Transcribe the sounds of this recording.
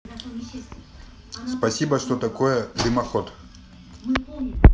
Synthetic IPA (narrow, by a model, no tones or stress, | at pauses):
spɐsʲibəʂt̪ot̪ɐkojəd̪ɨmɐxot̪